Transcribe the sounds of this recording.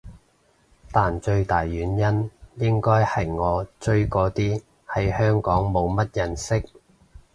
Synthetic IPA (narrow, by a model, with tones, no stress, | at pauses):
t̪aː˨nt͡ʃɵ˧ɥt̪aː˨jːyː˨˥njɐ˥njɪ˥ŋkɔː˥jhɐ˨jŋɔː˨˧t͡ʃɵ˧ɥkɔː˧t̪iː˥ | hɐ˨˥jhœː˥ŋkɔː˨˥ŋmo˨˧wmɐ˥t̚jɐ˧nsɪ˥k̚